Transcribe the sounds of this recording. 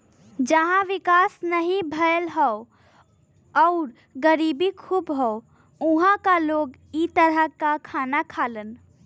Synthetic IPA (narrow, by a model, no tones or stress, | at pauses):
d͡ʒəɦãʋikasnəɦĩbʱəjlɦəo | ɔʊɾ | ɡəɾibikʰuːbɦəo | uɦãkaloːɡ | it̪əɾəkakʰaːnakʰalən